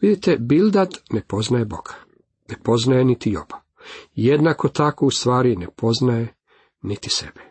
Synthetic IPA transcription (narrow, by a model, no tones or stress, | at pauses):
ʋid̪it̪ebild̪ad̪nepo̞znajebo̞̰kʰḁ | nepo̞znajenit̪ijo̰ba | jed̪nako̞t̪akoust̪ʋaːɾinepo̞znaje | nit̪i̥sḛbe